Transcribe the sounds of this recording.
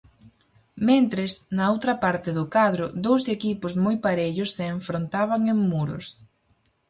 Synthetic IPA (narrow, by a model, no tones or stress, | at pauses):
mẽnt̪ɾesnɐowt̪ɾɐpaɾt̪ɪðʊkaðɾʊðd̪owsekipʊzmojpaɾeʎʊsːeːɱfɾont̪aβaŋeŋmuɾʊ̰s